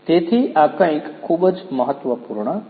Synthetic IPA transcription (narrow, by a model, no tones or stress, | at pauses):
t̪et̪ʰiakaĩkʰːuːbəd͡ʒməɦət̪ʋəpuːɾɳə